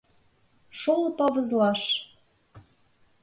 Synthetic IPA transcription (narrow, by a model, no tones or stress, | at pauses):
ʃolɤ̆pɑβɤ̆zlɑʃ